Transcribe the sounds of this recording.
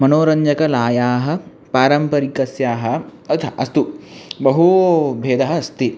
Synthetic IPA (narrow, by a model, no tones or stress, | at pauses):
mɐnoːɾɐɲd͡ʒɐkɐlaːjaːɦɐ̆ | paːɾɐmpɐɾikɐsjaːɦɐ̆ɐt̪ʰɐʔɐst̪ubɐɦubʱeːd̪ɐɦɐɐst̪i